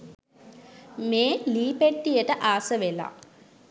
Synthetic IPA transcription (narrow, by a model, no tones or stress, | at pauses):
meːliːpeʈːijəʈəʔaːsəʋela̰